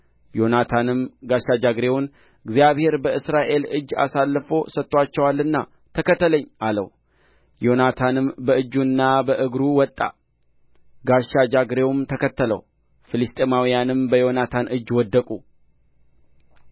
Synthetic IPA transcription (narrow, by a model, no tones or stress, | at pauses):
jo̞nat̪ʰanɨmɡaʃad͡ʒaɡɾe̞wʊn | ɨɡzijaβhe̞ɾbəʔɨsɾaʔe̞lɨd͡ʒːa̰salːfo̞sət̪ʼːwat͡ʃːɛwalːɨnːa | t̪ʰəkət̪ːələɲːʔalə̰w | jo̞nat̪ʰanɨmbəɨd͡ʒːunːabəʔɨɡɾuwɔt̪ʼːa̰ | ɡaʃad͡ʒaɡɾe̞wumt̪ʰəkʰət̪ʰːələ̰w | fɨlɨst̪ʼemawijanɨmbəjo̞nat̪ʰanʔɨd͡ʒːwɔd̪ːəkʼu